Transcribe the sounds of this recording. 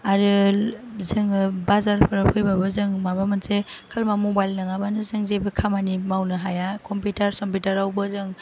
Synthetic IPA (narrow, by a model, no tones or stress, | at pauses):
aɾɯ | zɯŋbazaɾpʰɯɾpʰɯjbabɯzɯŋmabamɯnse | kʰalmamɔbajlnaŋabanɯzɯŋzebɯkʰamanimawnɯɦajakɔmputaɾsɔmpitaɾawbɯzɯŋ